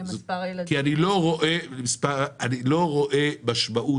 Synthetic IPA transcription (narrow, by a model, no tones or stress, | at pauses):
zkianiloʁoʔelemispaanilo̞ʁoʔebaʃmaʔu